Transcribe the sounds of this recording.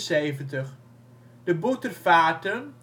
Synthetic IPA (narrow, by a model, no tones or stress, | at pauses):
seːvəntəχ | dəbutərfaːtən